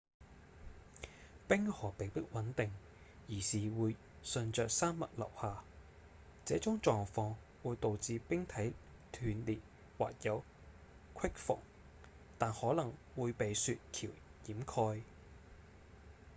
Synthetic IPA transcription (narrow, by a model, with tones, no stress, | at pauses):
pɪ˥ŋhɔː˨˩pe˨˧jpɪ˥k̚wɐ˨˥nt̪ɪ˨ŋ | jiː˨˩siː˨wuː˨˧j | sɵ˨˧nt͡ʃœː˨k̚saː˥mmɐ̰˨t̚lɐ̰˨˩whaː˨˩ | t͡sɛː˨˥t͡sʊ˨˥ŋt͡ʃɔː˨˧ŋfɔː˧ŋ | wuː˨˧jt̪o˨wt͡siː˧pɪ˥ŋt̪ʰɐ˨˥j | t̪ʰyː˨˧nliː˨˩t̚ | wa̰ː˨k̚jɐ˨˧w | kʰɪ˥k̚fʊ̰˨˩ŋ | t̪aː˨nhɔː˨˥lɐ˨˩ŋwuː˨˧jpe˨jsyː˧t̚kʰiː˨˩wjiː˨˥mkʰɔː˧j